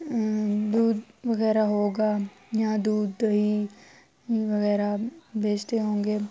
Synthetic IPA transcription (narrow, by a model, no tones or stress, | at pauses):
d̪uːd̪ʋɐɣɛːɾaɦoːɡaː | jãːd̪uːd̪ɦi | ʋɐɣɛːɾabeːd͡ʒt̪eɦõːŋɡeː